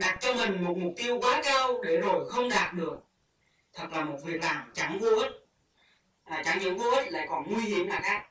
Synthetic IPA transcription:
ɗa˨˩k̚t͡ɕɔ˧wŋ͡mhï˨˩ŋ̟mo˨˩t̚mʊ˨˩k͡p̚t̪i˧əwkwaː˨˦kaː˧wɗe˧˩zo˨˩jxə˧wŋ͡mɗaː˨˩t̚ɗɨ˨˩ək̚ | t̪ʰə˨˩k̚laː˨˩mo˨˩t̚vi˨˩ək̚laː˨˩mt͡ɕa˨˧˦ŋvu˧ʔi˦˥t̚ | aː˨˩t͡ɕa˨˦ŋɲḭ˧˦ŋvu˧ʔi˦˥t̚la̰ː˧˨jkɔ˨˩nŋwi˧hi˨˩˦əmlaː˨˩kaː˦˥k̚

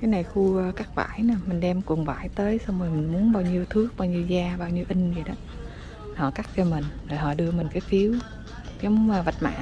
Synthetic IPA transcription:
kaː˨˦jna˨˩jxu˧kaː˦˥k̚va̰ː˧˩jnaː˨˩mï˨˩ŋ̟ɗɛ˧mku˨˩ənva̰ː˧˩jt̪əː˨˦jsɔ˧wzoː˨˩mï˨˩ŋ̟mu˨˦ənɓaː˧wɲi˧əwt̪ʰɨ˨˦˥ək̚ɓaː˧wɲi˧əwzaː˧ɓaː˧wɲi˧wʔï˧ŋ̟zə˨˩jɗɔ˨˦ | hɔ̰˧˨ka˦˥k̚t͡ɕɔ˧mï˨˩ŋ̟zoː˨˩jɦɔ̰˧˨ɗɨ˧əmï˨˩ŋ̟kaː˨˦jfi˨˦əw | zɔ˨˦wŋ͡maː˨˩va˨˩t̚ma̰ː˧˨

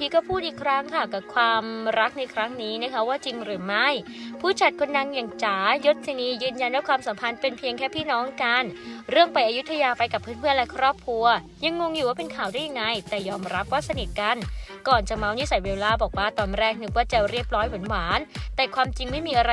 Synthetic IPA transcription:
iː˧kɔː˥˩pʰuː˥˩t̪̚iː˨˩kʰɾa˦˥ŋkʰa˥˩ka˨˩kʰwaː˧mɾa˦˥k̚na˧jkʰɾa˦˥ŋniː˦˥na˦˥kʰa˦˥waː˥˩t͡ɕi˧ŋɾɯː˩˦ma˥˩j | pʰuː˧˥˩t͡ɕʰa˨˩t̪̚kʰo˧nːa˧ŋjaː˨˩ŋt͡ɕaː˩˦jo˦˥t̪̚si˧niː˧jɯː˧nja˧nwaː˥˩kʰwaː˧msa˨˦mpʰa˧npe˧npʰi˧əŋkʰɛː˥˩pʰiː˥˩˨nɔː˦˥ŋka˧nɾɯ˥˩əŋpa˧jʔa˧ju˦˥t̪ʰa˧jaː˧pa˧jka˨˩pʰːɯː˦˥npʰɯ˥˩əlɛ˦˥kʰɾɔː˥˩p̚kʰu˧ɐ | ja˧ŋːo˧ŋjuː˨˩waː˥˩pe˧nkʰaː˨˩wdaː˥˩ja˧ŋːa˧jt̪ɛː˨˩jɔː˧mɾa˦˥p̚waː˥˩sa˧ni˨˩t̪̚ka˧nkɔː˨˩nt͡ɕaː˨˩k̚ma˦˥wniː˦˥sa˨˩jweː˧laː˧˩bɔː˨˩k̚waː˥˩t̪ɔː˨˩nɾɛː˥˩ŋ̚nɯ˦˩k̚waː˥˩t͡ɕa˨˩ɾi˥˩əp̚ɾɔː˦˥jmo˩˦nwaː˩˦nt̪ɛː˨˩kʰwaː˧mt͡ɕi˧ŋma˥˩jmiː˧ʔa˧ɾa˧

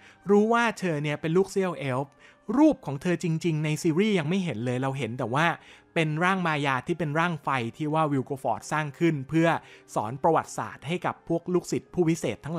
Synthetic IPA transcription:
ɾuː˦˥waː˥˩t͡ɕ̪ʰɤː˧ni˥˩ɐpe˧nluː˥˩k̚si˥˩ə˨wʔe˦˥wp̚ | ɾuː˥˩p̚kʰɔː˩˦ŋt̪ʰɤː˧t͡ɕi˧ŋt͡ɕi˧ŋna˧jsiː˧ɾiː˥˩ja˧ŋma˥˩jɦe˩˦nlɤː˧jɾa˧wɦe˩˦nt̪ɛː˨˩waː˥˩pe˧nɾaː˥˩ŋmaː˧jaː˧t̪ʰiː˥˩pe˧nɾaː˥˩ŋfa˧jt̪ʰiː˥˩waː˥˩wi˧wkoː˧fɔː˨˩t̪̚saː˥˩ŋkʰɯ˥˩npʰɯ˥˩ɐsɔ̰ː˩˦npɾa˧wa˨˩t̪̚sa̰ː˨˩t̪̚ha˥˩jka̰˨˩pʰːu˥˩ək̚luː˥˩k̚si˨˩t̪̚pʰuː˥˩wʰi˦˥seː˨˩t̪ʰːa˦˥laː˦

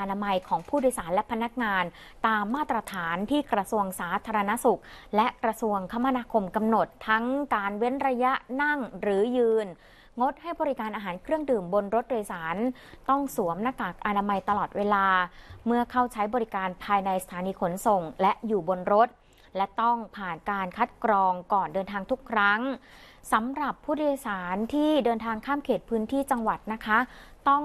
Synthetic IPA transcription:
ʔa˧naː˧ma˧jkʰɔː˩˦ŋpʰuː˥˩do˧jsaː˩˦nlɛ˦˥ʔpʰa˧na˦˥k̚ŋaː˧n | t̪aː˧mːaː˥˩t̪ːɾa˧t̪ʰaː˩˦nt̪ʰiː˥˩kɾa˧su˧əŋsaː˩˦t̪ʰaː˧ɾa˧na˦˥su˨˩k̚lɛ˦˥ʔkɾa˧su˧əŋkʰa˦˥mːa˧naː˧kʰo˧mka˧mno˨˩t̪ʰːa˦˥ŋkaː˧nwe˦˥nɾa˧ja˦˥ʔna˥˩ŋɾɯː˩˦jɯː˧n | ŋo˦˥t̪̚ha˥˩jbɔː˧ɾi˦˥kaː˧nʔaː˧ɦaː˩˦nkʰɾɯ˥˩əŋdɯː˨˩mbo˧nɾo˦˥t̪̚doː˧jsaː˩˦n | t̪ɔ˥˩ŋsu˩˦əmnaː˦˥˩kaː˨˩k̚ʔa˧naː˧ma˧jt̪a˧lɔː˨˩t̪̚weː˧laː˧mɯ˥˩ɐkʰa˥˩wt͡ɕʰa˦˥jbɔː˧ɾi˦˥kaː˧npʰaː˧jna˧jsḁ˧˩t̪ʰaː˩˦niː˧kʰo˩˦nso˨˩ŋlɛ˦˥ʔjuː˨˩bo˧nɾo˦˥t̪̚ | lɛ˦˥t̪ɔ˥˩ŋpʰaː˨˩nkaː˧nkʰa˦˥t̪̚kɾɔː˧ŋkɔː˨˩ndɤː˧nt̪ʰaː˧ŋt̪ʰu˦˥kʰːɾa˦˥ŋ | sa˩˦mɾa˨˩pʰːuː˥˩do˧saː˩˦nt̪ʰiː˥˩dɤː˧nt̪ʰaː˧ŋkʰaː˥˩mkʰeː˨˩t̪̚pʰɯː˦˥nt̪ʰiː˥˩t͡ɕa˧ŋwa˨˩t̪̚na˦˥kʰa˦˥t̪ɔ˥˩ŋ

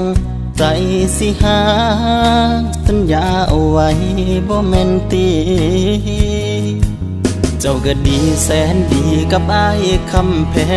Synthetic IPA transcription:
ŋ | t͡ɕa˨˧˦jsi˧haː˧ | sa˧˦njaː˧˥ʔa˨˩wwa˧˦jbɔː˧˦mɛː˧˥˨nt̪iː˧˩˧ | t͡ɕa˧˩wka˧˩diː˨˦sɛː˧˦˨ndiː˨˦ka˧˦p̚ʔaː˧˩jkʰa˧˨mpʰɛː˨˧˦

